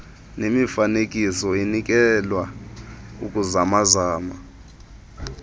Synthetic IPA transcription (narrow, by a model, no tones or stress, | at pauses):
nemifanek̬ʼisɔenik̬ʼɛlwa | uk̬ʼuzamazaːma